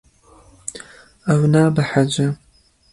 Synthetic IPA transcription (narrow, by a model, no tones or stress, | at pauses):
ɐwnaːbɐħad͡ʒɐ